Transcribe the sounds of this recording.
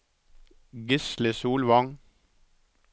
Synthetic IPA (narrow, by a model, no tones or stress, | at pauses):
ɡʏslɪsuːlʋɑŋ